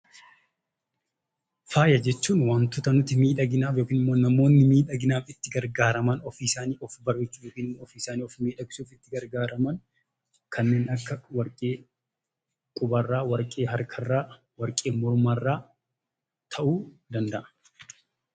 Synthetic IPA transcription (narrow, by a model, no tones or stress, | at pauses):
faːjɐd͡ʒɛt͡ʃːuːnwaːnt̪ʊt̪ɐnʊt̪ːɪmiːᶑɐɡɪnaːfjoːkiːnɪmːo̞ːnɐmo̞ːnːɪmiːᶑɐɡɪnaːfɪt̪ːɪɡɐɾɡaːɾɐmɐnɔfisaːniːʔɔfbɐrːɪt͡ʃːuːjoːkiːnɪmːoːfiɪsaːniːɔfmiːᶑɐɡɪ̥suːfɪt̪ːɪɡɐɾɡaːɾɐmɐn | kʰɐnːe̞ːnɐkːɐwɐɾkʼeː | kʼʊbɐrːaːwɐɾkʼe̞ːɦɐɾkʰɐrːaː | wɐɾkʼeːmɔɾmaːrːaː | t̪ʰɐʔuːd̪ɐnd̪ɐʔɐ̥